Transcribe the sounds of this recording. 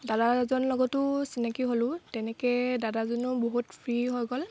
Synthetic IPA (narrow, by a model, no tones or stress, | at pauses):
dadazɔnlɔɡɔtʊsinakiɦolʊ̃tɛnɛkɛdadazɔnʊboɦutpʰɹiɦɔjɡɔl